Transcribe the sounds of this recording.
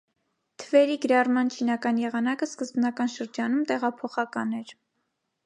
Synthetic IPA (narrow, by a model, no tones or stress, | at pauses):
t̪ʰəvɛɾiɡəɾɑrmɑnt͡ʃʰinɑkɑnjɛʁɑnɑkəskəzbnɑkɑnʃəɾd͡ʒɑnumt̪ɛʁɑpʰɔχɑkɑnɛɾ